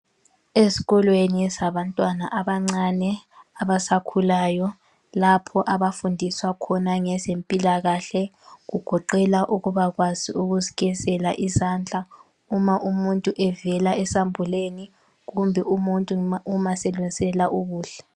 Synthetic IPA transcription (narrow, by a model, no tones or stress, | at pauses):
esi̥ɣɔlwenisaβantʼwana̰ʔaβaŋ͡ǀanɛaβasakʰulaːjɔ | lapʰɔʔaβafundʱiswakʰɔnaŋɛzempʼilaɣaɬɛ | ɣuɡ̥ʱɔǃɛlaʔuɣuβaɣwaziuɣuziɣɛzɛlaʔizaːnd͡ɮʱa | umaʔumuntʼuʔɛvɛlaɛsambʱuleni | ɣumbʱɛʔumuntʼuumasɛlwɛnsʼɛlaʔuɣuːɬɛ̥